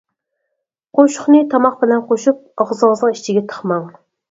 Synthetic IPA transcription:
qʰoʃʊ̥χnɨt̪ʰɑmɑq̚bɪlɛnqʰoʃup̚ɑʁzɑznəŋiʃt͡ʃʰɪɡʲɛt̪ʰə̥χmɑŋ

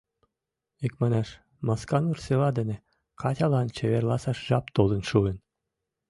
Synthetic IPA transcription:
ikmɑnɑʃ | mɑskɑnurselɑd̪ɘ̆nʲĕ | kɑtʲɑlˠɑnt͡ɕɘ̆βerlˠɑsɑʃʒɑpt̪olˠɤ̆nʃuɘ̆n

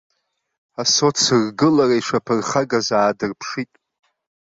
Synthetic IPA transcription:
aso̞t͡sʰɨrɡɨlaraiʂʷapʰɨrχaɡazaːdɨrpʰʂitʼ

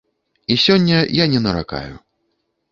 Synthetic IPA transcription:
isʲɔnʲːɐjanʲɛnɐɾa̰ka̰jṵ

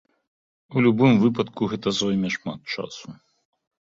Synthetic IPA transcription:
ulʲubɨmvɨpɐt̪kuɣɛt̪ɐzɔjmʲɛʂma̰t̪̚t͡ʂa̰su

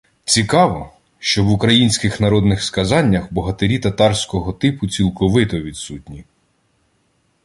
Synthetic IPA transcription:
t͡sʲikɑʋɔ | ʃt͡ʃɔʋʊkɾɐjinʲsʲkɪxnɐɾɔd̪nɪxskɐzɑnʲːɐxbɔɦɐt̪eɾʲit̪ɐt̪ɑrsʲkɔɦɔt̪ɪpʊt͡sʲilˠkɔʋɪt̪ɔʋʲid̪sutʲnʲi

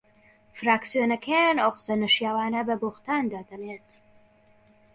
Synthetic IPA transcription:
fɾaːksjonɐkʰeanoqsɐnɐʃjaːwaːnɐbɐboxt̪aːnd̪aːd̪ɐnet̪

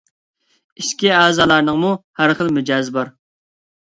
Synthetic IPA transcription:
iʃkʲiæːzɑːlˠɑɾnəŋmuhæɾχəlˠmyd͡ʒɑːzbɑɾ

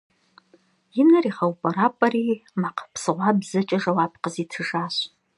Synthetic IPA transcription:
jinɨriχawpʼɐɾapʼɐrimaqʰpʰsɨʁʷabzɨt͡ʃʼɐʐɐwapʰqəzitʰɨʐaɕ

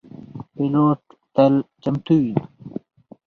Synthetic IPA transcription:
piloːʈ̚t̪ɐlt͡ɕɐmt̪uwi

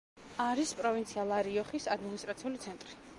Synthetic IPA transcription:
aɾispʼɾɔvint̪sʰialˠaɾiɔχisad̪minist̪ʼɾat̪sʰiulit̪sʰɛnt̪ʼɾi

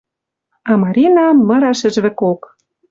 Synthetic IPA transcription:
ɑmɑɾʲinɑmɤ̆ɾɑʃɘ̆ʒβɘ̆kok

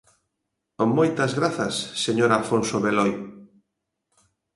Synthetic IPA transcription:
omːojt̪ɐzɣɾaθɐsːeɲoɾalfonsoβeloj

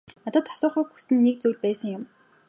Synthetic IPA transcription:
nɔt̪ə̆t̪ḁsʊːχœːxu̥sɘ̆nːek̚t͡sujɮpæːsə̆ŋjʊm

